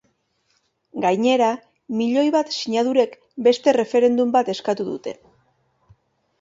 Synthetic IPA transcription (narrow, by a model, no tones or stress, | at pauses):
ɡajɲe̞ɾa | miʎo̞jβat̪siɲaðuɾe̞k | be̞st̪e̞re̞fe̞ɾe̞nd̪umbat̪e̞skat̪uðṵt̪e̞